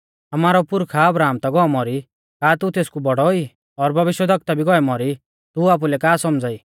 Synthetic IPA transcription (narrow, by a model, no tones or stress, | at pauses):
ɐmaːɾɔpʊɾkʰaːbɾaːmt̪aɡɔmɔɾi | kaːt̪ut̪eːskubɔɽɔoi | ɔːɾbʱɐbɪʃjəd̪ʱɐk̚t̪abʱiɡɔɛmɔɾi | t̪uaːp̬ulɛkaːsɔmd͡zaiː